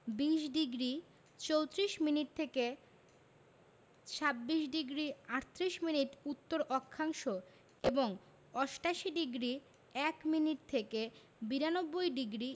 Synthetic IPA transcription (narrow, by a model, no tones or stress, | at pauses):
biʃɖiɡɾi | t͡ɕowt̪ɾiʃminiʈ̚t̪ʰeke | t͡ɕʰabːiʃɖiɡɾiaɾt̪ʰːɾiʃminiʈut̪ːoɾʔɔkʰːaŋʃo | eboŋ | ɔʃʈaʃiɖiɡɾi | ɛkminiʈ̚t̪ʰeke | biɾanobːojɖiɡɾi